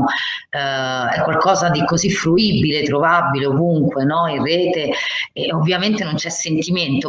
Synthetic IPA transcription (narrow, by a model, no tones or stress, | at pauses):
ɛkːwalkɔːzad̪ikozifɾuiːbilet̪ːɾovabileovuŋkwenɔireːt̪eovːjament̪enont͡ʃɛsːent̪iment̪o